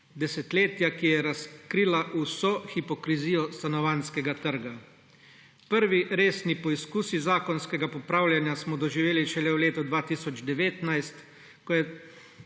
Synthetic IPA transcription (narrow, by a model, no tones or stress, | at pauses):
d̪ɛsɛt̪leːt̪jakijɛɾaskɾiːlaʔusɔxipɔkɾiziːjɔst̪anɔʋaːnskɛɡat̪əɾɡa | pəɾʋiɾeːsnipɔiskuːsizaːkɔnskɛɡapɔpɾaːwljanjasmɔd̪ɔʒiʋeːliʃɛlɛwleːt̪ud̪ʋaːt̪isɔd͡ʒd̪ɛʋeːt̪najst̪ | kɔjɛ